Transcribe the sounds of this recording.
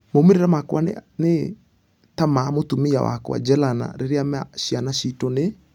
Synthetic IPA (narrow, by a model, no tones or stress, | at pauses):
momeɾeɾamakwanne | tamamotumiawa̰kwa̰d͡ʒɛlana̰ɾeɾeamaɕianaɕitɔne